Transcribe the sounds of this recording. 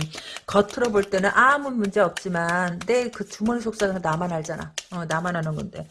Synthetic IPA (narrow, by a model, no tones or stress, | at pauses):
kʌtʰɯɾʌboɭt͈e̞nɯnʔamɯnmund͡ʑe̞ʌp̚t͡ɕ͈imanne̞kɯt͡ɕumʌnsʰok̚s͈aɡanamanɦaɭd͡ʑ͈ana̰ʌnamanɦanɯnɡʌnde̞